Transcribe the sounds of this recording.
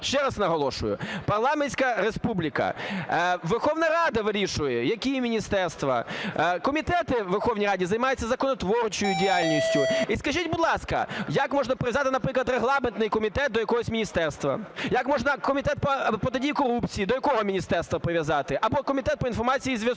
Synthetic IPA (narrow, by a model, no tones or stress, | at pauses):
ʃt͡ʃɛɾɐsnɐɦɔlˠɔʃʊjʊ̰pɐrlˠɑmenʲsʲkɐɾespublʲikɐ̰ | ʋerxɔʋnɐɾɑd̪ɐʋɪɾʲiʃʊjɛjɐkʲimʲinʲist̪ɛrst̪ʋɐ̰kɔmʲit̪ɛt̪ɪʋerxɔwnʲijrɑdʲizɐjmɑjʊtʲt͡sʲːɐzɐkɔnɔt̪ʋɔrt͡ʃɔjʊdʲiɑlʲnʲisʲtʲʊiskɐʒitʲbʊd̪lˠɑskɐ̰jɐkmɔʒnɐpɾɪzɑt̪ɪnɐpɾɪklˠɐt̪reɦlˠɑment̪nɪjkɔmʲit̪ɛt̪̚d̪ɔjɐkɔɦɔsʲmʲinʲist̪ɛrst̪ʋɐ̰jɐkmɔʒnɐkɔmʲit̪ɛt̪̚pɐpɔt̪edʲijkɔɾupt͡sʲijid̪ɔjɐkɔɦɔmʲinʲist̪ɛrst̪ʋɐpɾɪʋʲjɐzɑt̪ɪʔɐbɔkɔmʲit̪ɛt̪̚pɔinfɔrmɑt͡sʲijizʋʲjɐs